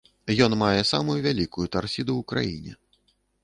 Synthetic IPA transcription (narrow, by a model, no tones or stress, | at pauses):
jɔnmajɛsamujuvʲalʲikujut̪arsʲid̪uwukɾa̰jḭnʲɛ̰